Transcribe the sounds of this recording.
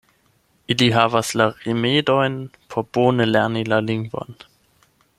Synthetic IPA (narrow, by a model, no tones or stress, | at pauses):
ʔiliɦaːvaslaʁimeːdɔʏnpʰɔb̥oːnəlɛɐnilalɪŋbɔ̰n